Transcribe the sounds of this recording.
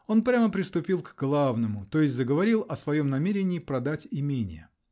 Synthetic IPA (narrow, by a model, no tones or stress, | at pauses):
o̞npɾʲaməpɾʲɪst̪ʊpʲilˠkɡlˠavnəmʊt̪o̞jɪsʲtʲzəɡəvɐɾʲilˠɐsvɐjo̞mnɐmʲeɾʲɪnʲɪːpɾɐd̪atʲɪmʲenʲɪ̰jə